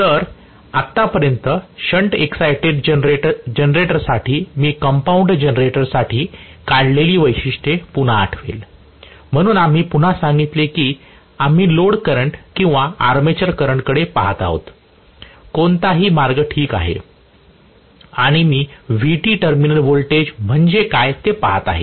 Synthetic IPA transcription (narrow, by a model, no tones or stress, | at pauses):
t̪əɾ | at̪ːapəɾjənt̪əɕəɳʈeksajʈeɖɾed͡ʑenɾeʈəɾsaʈʰiːmiːkəmpauɳɖd͡ʑənɾeʈəɾsaʈʰiːkaɽleliːʋəjɕiʂʈepun̤a̰ːʈʰʋḭl | m̤əɽ̃uːnam̤iːpun̤asaŋɡit̪lekiː | am̤iːloɽkəɾəɳʈkĩw̃ʋaaɾmet͡ɕəɾkəɾəɳkəɽepaɦat̪a̰ɦo̰t̪ | kont̪aɦiːmaɾɡəʈʰiːka̰ɦḛ | aɽ̃imiːʋiʈiːʈəɾminəɾʋolʈed͡ʑm̤əɳd͡ʑekajt̪epaɦat̪a̰ɦḛ